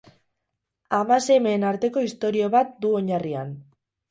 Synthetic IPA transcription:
amase̞me̞ːnaɾt̪e̞ko̞ist̪o̞ɾio̞βat̪̚d̪uo̞ɲaria̰n

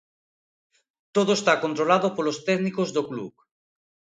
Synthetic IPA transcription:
t̪oðoest̪akont̪ɾolaðopolost̪ɛknikozðoklṵk

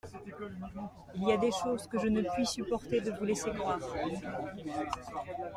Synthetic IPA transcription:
iliad̪eʃozkəʒənəpɥisypɔʁt̪ed̪əvulesekχwaːʁ

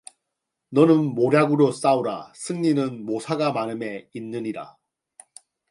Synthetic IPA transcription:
nʌnɯnmoɾjaɡɯɾos͈auɾa̰sʰɯŋɲinɯnmosʰaɡamanɯme̞inːɯɲiɾa̰

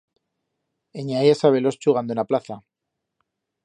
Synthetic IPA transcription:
eɲajasaβelo̞st͡ʃuɣand̪oenaplaθa

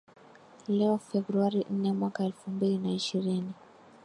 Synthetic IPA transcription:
lɛɔfɛbɾuaɾin̩nɛmwakaɛlfumbilinaiʃiɾini

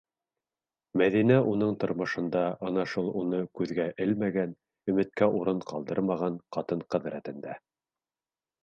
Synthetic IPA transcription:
mæðinæʔun̪ɤɴt̪ŏɾmɤ̆ʃɤ̆nd̪ɑʔɑnɑʃulˠunɤkʉðɡæʔɘlmæɡæn | ɵ̆mɘ̆t̪̚kæʔuɾɤɴqɑlˠd̪ɤ̰ɾmɑʁɑɴqɑt̪ɤɴqɤ̆ðɾæt̪ɘ̆nd̪æ

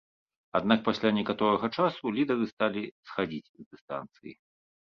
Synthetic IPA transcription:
ad̪nak̚pasʲlʲanʲɛkat̪ɔɾɐɣɐt͡ʂasulʲid̪ɐɾɨst̪alʲisxad͡zʲit͡sʲzd̪ɨst̪a̰nt̪sɨji

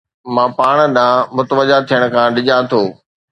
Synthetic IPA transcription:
mãːpaːɽ̃̆ɗãːmʊt̪əʋəʄat̪ʰijəɽ̃̆kʰãːɗɪʄat̪ʰoː

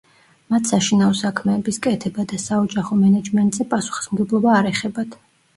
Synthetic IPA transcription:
mat̪ʰsaʃinaɔsakʰmɛːbiskʼɛt̪ʰɛbad̪asaɔd͡ʒaχɔmɛnɛd͡ʒmɛnt̪ʼzɛpʼasu̥χi̥smɡɛblˠɔbaːɾɛχɛbat̪ʰ

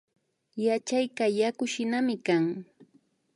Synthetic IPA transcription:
jat͡ʃajkajakʊʃɪnamɪkaŋ

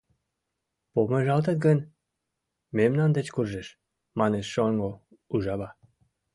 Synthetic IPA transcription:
pomeʒɑlt̪ət̪̚ɡən | memnɑnd̪et͡ɕkurʒeʃ | mɑneʃːoŋɡo | uʒɑβɑ

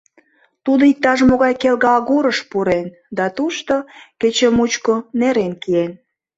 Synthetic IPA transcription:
t̪ud̪oik̚t̪ɑʃmoɣɑjkelɣɑɣuɾəʃpuɾen | d̪ɑt̪uʃt̪oket͡ɕəmut͡ɕkoneɾenkien

